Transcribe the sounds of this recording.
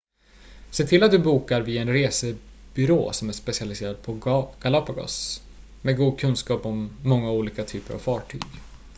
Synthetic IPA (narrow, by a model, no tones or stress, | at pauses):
seːt̪ʰɪlat̪̚d̪ɵbuːkaɾvɪaɛnɾeːsə | b̥ʏɾo̰ːsɔmæʂpɛsɪalɪseːɾad̪̚pʰɔɡ̥alapaɡɔ̰s | meːɡuːd̪̚kʰɵnskɑːpɔmːɔŋːauːliːkat̪ʰyːpəɾa̰v̥fɑːʈʰy̰ːɡ